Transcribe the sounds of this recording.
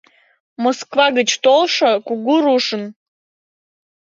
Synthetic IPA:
moskvɑɣət͡ɕt̪olˠʃəkuɡuɾuʃə̆n

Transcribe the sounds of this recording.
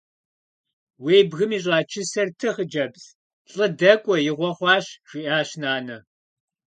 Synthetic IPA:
weːjbɣɨmiːɕ̬ʼɑːt͡ʃʰɪsɐrtʰɨχəd͡ʒɐbz | ɬʼɨdɐkʷʼɔjɪʁʷɔχʷɑːɕʒ̥ʷiːʔaːɕnaːnɐ

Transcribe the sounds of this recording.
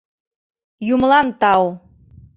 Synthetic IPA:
jumlˠɑnt̪ɑw

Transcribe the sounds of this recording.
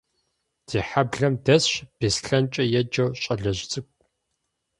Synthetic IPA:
d̥iːħabɮɐmdɐsɕb̥isɬɐnt͡ʃʼɐjɛd͡ʒɐwɕʼɐɮɐʑt͡sʼɨkʷʼ

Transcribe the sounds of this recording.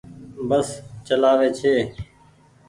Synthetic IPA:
bəst͡ʃəlaːʋeːt͡ʃʰeː

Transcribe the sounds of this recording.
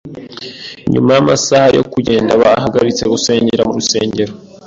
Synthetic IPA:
ɲṵmajamasahajo̞̰kuɟe̞ːndaβaːɦaɡaɾit͡se̞ɡuse̞ːɲɟeɾamuɾuse̞̰ːɲɟe̞ɾo

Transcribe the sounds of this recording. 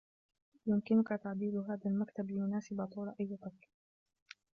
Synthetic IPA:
jʊmkɪnʊkat̪aʕd̪iːlʊɦaːðalmakt̪ablɪjʊnaːsɪbat̪ˤuːlaʔajːɪt̪ˤɑkː

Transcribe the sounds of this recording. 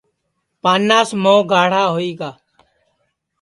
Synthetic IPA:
paːnːaːsmõːɡʱaːɽ̤aːɦoːiːɡaː

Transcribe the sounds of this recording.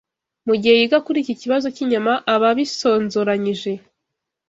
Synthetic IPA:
muɟihe̞jiɡakuɾiːciciβazo̞ciɲamaʔaβaβiso̞ːnzoɾaɲiʒe̞

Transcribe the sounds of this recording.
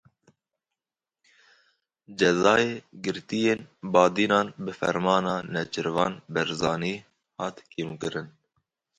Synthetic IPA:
d͡ʒɛzɑːjeːɡɨɾt̪ijeːnbɑːd̪iːnɑːnbɨfɛ̰ɾmɑːnɑːnɛt͡ʃɨɾvɑːnbɛɾzɑːniː | hɑːt̪kʰeːmukɨɾɨn

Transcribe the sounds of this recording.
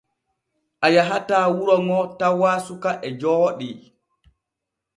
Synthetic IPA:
ʔajaɦataːwuɾɔŋɔtawaːsukaʔɛd͡ʒɔːɗi

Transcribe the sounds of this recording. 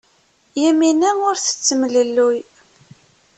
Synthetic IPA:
jæminæʊɾθə̥t͡sːəmələlːuj

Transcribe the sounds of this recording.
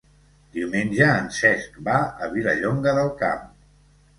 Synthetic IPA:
d̪iuwmenʲʒəːnsɛskbaə̰βiləʎoŋɡəðəlˠka̰m

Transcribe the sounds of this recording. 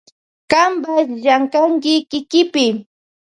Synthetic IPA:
kambasʎaŋkaŋkɪkɪkɪpɪ

